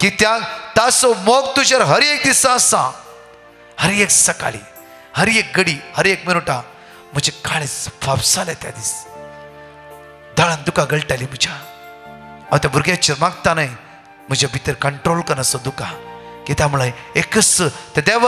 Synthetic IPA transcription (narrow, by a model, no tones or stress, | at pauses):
kit̪jat̪asomoɡt̪ud͡ʑaɾɦəɾek̚d̪isãəsã | həɾeksəka̰lḭ | həɾek̚ɡəɽiːhəɾekmiɭuʈa | m̤əd͡ʑekaɭ̃it͡sʋapsalat̪ja̰d̪iːs | d̪ʱaɭãnd̪ukãɡəɭʈalim̤əd͡ʑa | aʋt̪jabʱuɾɡjãt͡ɕiɾmaɡt̪anaj | m̤əd͡ʑabʱit̪əɾkəɳʈɾolkənəsɔd̪ukakit̪jamuɭajekəsət̪ad̪aʋə